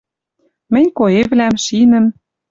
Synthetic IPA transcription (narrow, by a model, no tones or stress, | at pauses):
mɘ̆nʲkoeβlæmʃinə̆m